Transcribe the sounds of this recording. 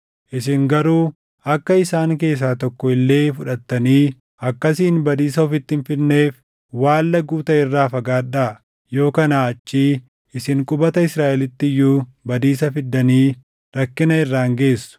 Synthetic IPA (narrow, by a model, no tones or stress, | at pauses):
ʔɪsɪŋɡɐɾuː | ɐkːɐɪsaːŋke̞ːs̬aːt̪ɔkːɔɪlːe̞ːfʊᶑɐt̪ːɐniː | ɐkːɐsiːnbɐd̪iːsɐɔfɪt̪ːɪɪnfɪnnːe̞ːf | waːlːɐɡuːt̪ɐɪrːaːfɐɡaːᶑaː | jo̞ːkɐnaːɐt͡ʃːiː | ɪsɪŋkʼʊbɐt̪ɐɪsɾaːʔɛlɪt̪ːɪjuː | bɐd̪iːsɐfɪd̪ːɐniː | ɾɐkːɪnɐɪrːaːŋɡe̞ːsːʊ̥